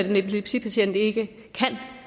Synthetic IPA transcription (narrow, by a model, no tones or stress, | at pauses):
æd̥ene̝pʰoleb̥sḭpʰæɕen̰d̥əe̝ɡ̥ə | kʰæn̰